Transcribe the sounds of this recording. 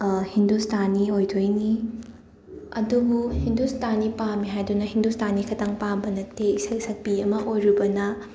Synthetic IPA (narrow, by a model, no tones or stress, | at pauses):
hindustʰaniojdʰojni | ɐ̰dubuhindustʰanipamiɦajdunɐɦindustʰanikʰɐtaŋpabɐnɐteisɐjsɐk̚piɐmɐʔojɾibɐnɐ